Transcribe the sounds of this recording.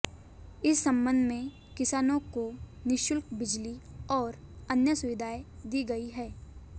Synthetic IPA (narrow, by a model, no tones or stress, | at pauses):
ɪsːɐ̃mbə̃nd̪ʱmẽ | kɪsaːnõkonɪʃʊlkbɪd͡ʒliɔːɾɐnjəsʊʋɪd̪ʱaːed̪iːɡɐiɦɛː